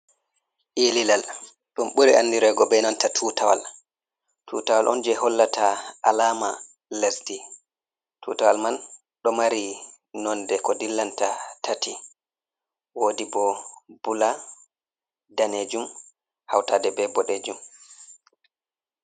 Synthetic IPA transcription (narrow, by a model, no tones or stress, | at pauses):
ʔililal | ɗumɓuɾianːdiɾɛɡɔbɛnantatʰuːtawa̰l | tʰṵtawalʔɔnd͡ʒɛhɔlːatʰaalaːma | lɛsti | tʰṵtawalman | ɗɔmaɾi | nɔndɛkɔdilːantatati | woːdibɔbula | daned͡ʒum | hawtaːdɛbɛbɔɗɛd͡ʒum